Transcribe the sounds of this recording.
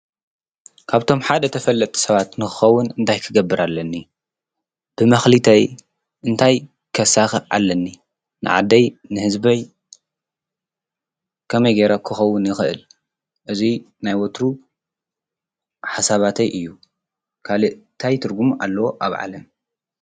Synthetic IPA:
kʰaβt̪ʰo̞mħad̪ɐt̪ʰɐfɐlːɐt̪ʼʰːi̥sɐβat̪nɨxɨ̥xɐwːʊnɨnt̪ʰajkʰɨɡɐbːɨɾalːɐnːi | b̥ɨmɐxlɨt̪ʰɐj | ʔɨnt̪ʰaj | kʰɐsaxɨʕa̰lːɐnːi | nɨ̰ʕa̰d̪ːɐjnɨhɨzbɐj | kʰɐmɐjɡeɾakʰɨxɐwːʊnjɪxɨʔɨ̰l | ʔɨzi | najwot̪ɾu | ħasaβat̪ʰɐjʔɨjːu | kʰalɨʔt̪ʰajt̪ʰɨɾɡumʔa̰lːɐwoʔa̰βʕa̰lɐm

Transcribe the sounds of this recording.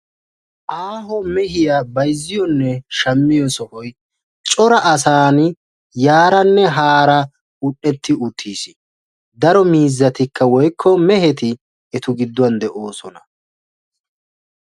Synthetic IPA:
ʔaːɦɔmɛɦɪjabɐjzːɪjɔnːɛʃɐmːɪjɔsɔhɔj | t͡ʃʼɔɾɐʔɐsaːn | jaːɾɐnːɛɦaːɾɐ | ʊɗːɛt̪ːɪʊt̪ʰːiːsɪ̥ | d̪ɐɾɔmiːzːɐt̪ɪkːɐwɔjkʰːɔmɛhɛt̪ɪ | ɛt̪ʊɡɪd̪ːʊwɐnd̪ɛʔoːsɔnɐ

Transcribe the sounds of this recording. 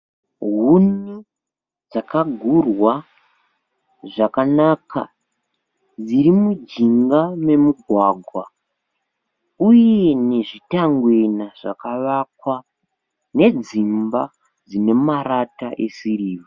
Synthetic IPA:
ɦuni | d͡zakaɡʱurwa | ʐakanaka̰ | d͡ziɾimud͡ʒiŋɡame̞muɡʱwaːɡʱwa | uje̞ne̞ʐitaŋɡwe̞naʐ̥akaʋakwa | ne̞d͡zimba | d͡zine̞maɾata̰ʔe̞̰siriːʋo

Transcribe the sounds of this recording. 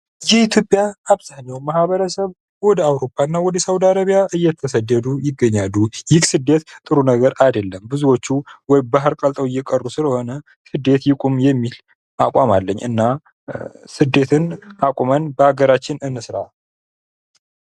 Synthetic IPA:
jɛit̪ʰjo̞pʼjaaβzaɲːawmahβəɾəsəβ | wɔd̪əawɾo̞pʰːaɨnːawɔd̪əsawd̪aɾəβijaʔɨjːɛt̪ʰːəsəd̪ːəd̪ujɪɡːəɲːalːujɪkʼsɨd̪ːet̪t̪ʼɨɾunəɡəɾajd̪əlːəmbɨzuwo̞t͡ʃːuwɔjbaɦɨɾkʼəlt̪ʼəwɪjːɛkʼərːusɨləho̞nə | sɨd̪e̞t̪jɪkʼumjɛmːil | ʔakʼamalːəɲːʔɨ̰nːa | sɨd̪e̞t̪ʰɨnakʼumənbəaɡəɾat͡ʃːɪnɨnːɨsɾa

